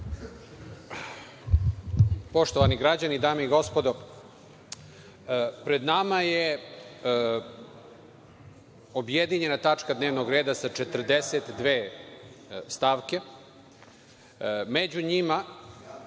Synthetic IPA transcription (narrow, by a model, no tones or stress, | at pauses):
po̞ʃt̪oʋaniɡɾad͡ʑanid̪aːmeiɡo̞spo̞d̪o | pɾe̞d̪namaje | objed̪iɲe̞nat̪at͡ʂkad̪ne̞ːʋnoɡɾe̞ːd̪asat͡ʃet̪rd̪eset̪d̪ʋeː | st̪aːʋke̞ | med͡ʑuɲima